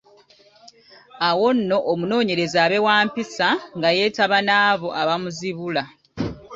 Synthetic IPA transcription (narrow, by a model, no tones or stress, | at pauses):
awo̞nːo̞ʔːmuno̞ːɲe̞ɾe̞zaːβe̞waːmpisaŋɡaje̞ːtaβanaːβo̞ʔaβamuziβula